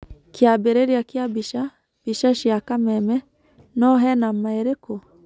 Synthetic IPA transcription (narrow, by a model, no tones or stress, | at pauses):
kjabeɾeɾjakjabiʃa | b̥iʃaʃiakamɛmɛ | nɔɦɛnamaeɾeko